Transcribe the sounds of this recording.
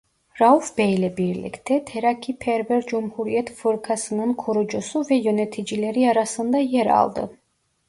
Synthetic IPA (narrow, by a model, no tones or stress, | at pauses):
ɾaufbɛjlɛbiɾlḭkʰt̪ʰɛt̪ʰɛɾakʰipʰɛɾvɛɾd͡ʒumhuɾiɛt̪ʰfɨɾkʰasɯnɯnkʰɔɾud͡ʒɔsuvɛjɔnɛt̪ʰid͡ʒilɛɾiaɾasɯnd̪ɑjɛɾɑ̰lˠd̪ɯ̰